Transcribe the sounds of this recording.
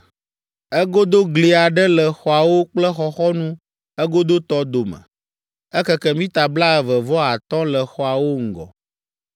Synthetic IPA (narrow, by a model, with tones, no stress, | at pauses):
ɛ˦ɡo˦d̪o˦ɡli˨a˨ɖɛ˦lɛ˨xɔ˨a˨wo˦k͡plɛ˦xɔ˦xɔ˦nũ˦ | ɛ˦ɡo˦d̪o˦t̪ɔ˦d̪o˨mə̰̃˨ | ɛ˦kɛ˦kɛ˦mĩ˦t̪a˨bla˦ɛ˨və˨vɔ˦a˨t̪ɔ̃˦lɛ˨xɔ˨a˨wo˦ŋ̩˨ɡɔ̰˨